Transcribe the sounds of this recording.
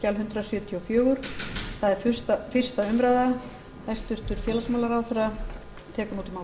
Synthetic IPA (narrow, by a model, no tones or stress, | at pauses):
calɦʏnt̪ɾasjʏːt̪ʰijɔfjœːɣʏɾ̥θaðɛɾfʏ̥st̪fɪr̥st̪aʏmɾajða | ɛst̪ʏr̥t̪ʏɾ̥fjɛːlasmawlaɾawθɛɾa | t̪ʰɛːkʏmuːt̪ʏmaw